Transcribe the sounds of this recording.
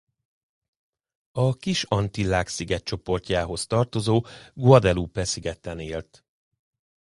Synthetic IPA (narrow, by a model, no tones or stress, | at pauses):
ɒkiʃɒnt̪ilaːksiɡɛt̪̚t͡ʃo̞po̞rcaːɦo̞st̪ɒrt̪o̞zoːɡuɒd̪ɛlupɛsiɡɛt̪ɛneːlt̪